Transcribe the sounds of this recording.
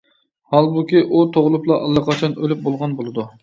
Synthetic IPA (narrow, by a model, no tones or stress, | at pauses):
hɑlˠbukʲiʔut̪ʰoʁlˠʊplˠɑʔɑlˠːɑqʰɑt͡ʃʰɑnølyp̚bolˠʁɑnbolˠɨd̪u